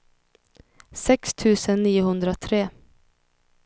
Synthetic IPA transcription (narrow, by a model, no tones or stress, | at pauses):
sɛkst̪ʰʉ̟ːsənːiːʊhɵnd̪ɾat̪ʰɾeː